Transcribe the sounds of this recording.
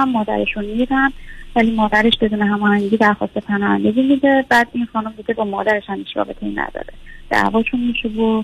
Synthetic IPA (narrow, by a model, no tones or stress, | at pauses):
æmːɒːd̪æ̰ɾeʃunmid̪ænvæliːmɒːd̪æɾe̞ʃbe̞d̪uːneɦæmɒːhæŋɟiːd̪æɾxɒ̰ːst̪e̞pʰænɒːhæ̰nd̪eɟimid̪ebæːd̪inxɒːnumbuːd̪ebɒːmɒːd̪æɾeʃhæmiːʃɾɒ̰ːbe̞t̪ʰeinæ̰d̪ɒ̰ːɾed̪̥æ̰vɒːʃunmiʃebo